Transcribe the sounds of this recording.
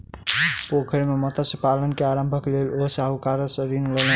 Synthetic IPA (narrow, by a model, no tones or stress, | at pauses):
pokʰəɾmemət̪asəpalənkeaɾəmbʱəklelosaɦukaɾəsəɾinlelə